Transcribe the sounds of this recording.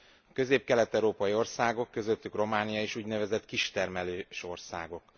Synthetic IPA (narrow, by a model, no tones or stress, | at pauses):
ɒkø̞zeːp̚kɛlɛt̪ɛwɾoːpɒjio̞rsaːɡo̞kːø̞zø̞t̪ːykro̞maːnijɒeːʃuːɟnɛvɛzɛt̪kiʃt̪ɛrmɛløːʃo̞rsa̰ːɡo̞k